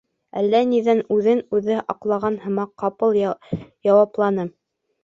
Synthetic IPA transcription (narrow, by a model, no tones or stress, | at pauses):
ælːæniðænʉðɘnʉðɘʔɑqlˠɑʁɑnhɤ̆mɑqːɑpɤlˠjɑwɑplˠɑnɤ